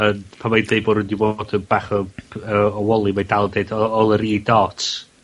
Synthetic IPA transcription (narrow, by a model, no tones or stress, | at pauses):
ənpʰamwejdðejboːɾʊndibod̥əb̥aːχɔəɔwɔlˠimadalˠdeɨdɔɔlˠəɾiːdɔtʰ